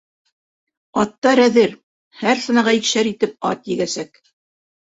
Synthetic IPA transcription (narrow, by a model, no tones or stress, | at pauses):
ɑt̪ːɑɾæðɘɾ | hæɾsɤ̆nɑʁɑikʃæɾit̪ɘp̚ɑ̰t̪jɘ̆ɡæsæk